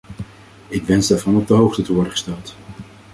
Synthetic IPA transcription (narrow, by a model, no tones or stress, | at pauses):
ɪkʋɛnzdaɹvɑnɔb̚dəɦowχtətəʋɔɹdəχə̥stɛlˠt